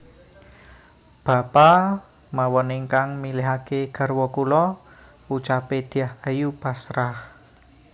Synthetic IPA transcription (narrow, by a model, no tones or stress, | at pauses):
b̥a̤pa | mawɔneŋkaŋmileɦakeɡ̥a̤rwɔkulɔ | ut͡ʃaped̪̥iahajupasɾah